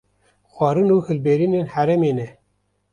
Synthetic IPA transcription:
xʷɑːɾɨnuːhɨlbeːɾineːnhæɾɛmeːnɛ

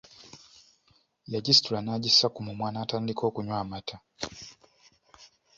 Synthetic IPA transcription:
jad͡ʒistuɾanad͡ʒisakumumwanatandikɔkuɲwamatʰa

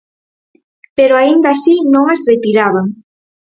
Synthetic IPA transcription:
peɾoaind̪asinõŋazret̪iɾaβaŋ

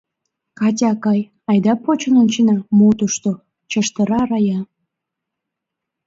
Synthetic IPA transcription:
kɑt̬ʲɑkɑj | ɑjd̪ɑpot͡ɕənənt͡ɕinɑmot̪uʃt̪o | t͡ɕəʃt̪əɾɑɾɑjɑ

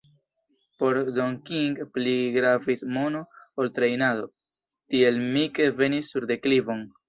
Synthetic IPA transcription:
po̞ɾdoŋkiŋɡpliɡɾavismo̞noːltɾe̞jnado̞ | tie̞lmike̞ve̞nisːuɾde̞klivo̞n

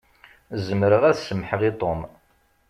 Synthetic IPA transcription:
zəmɾəʁæθsəmħəʁit̪ˤom

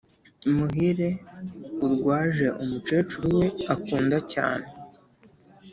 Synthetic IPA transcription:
muɦiɾe̞uɾɡwaːʒe̞ʔumut͡ʃe̞ːt͡ʃuɾuwe̞akuːndaca̰ːne̞

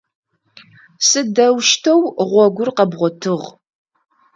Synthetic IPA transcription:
sɨdɐwʃtʰɐwʁʷɔɡʷʊrqɐbʁʷɔtʰɨʁ

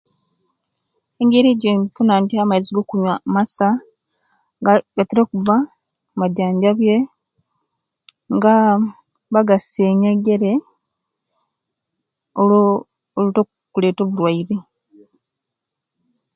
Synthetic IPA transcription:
eŋɡeɾeːɟemfunaːntiamajiziɡokuɲwamasa | ɡateɾokuva | maɟaːɲɟaβje | ŋɡa | βaɡaseːɲeŋɡe̞ɾe | o | oluto | kule̞ːto̞βulwaiɾe

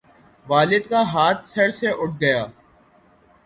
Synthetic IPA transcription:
ʋaːlɪd̪kaɦaːt̪sɐɽseʔʊʈ̚ʰɡɐjaː

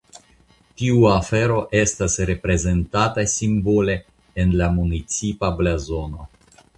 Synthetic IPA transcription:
tiuafe̞ɾo̞ʔe̞stasɾe̞pɾe̞ze̞ntatajsimbo̞le̞ː | nlamunit͡sipablazo̞no̞

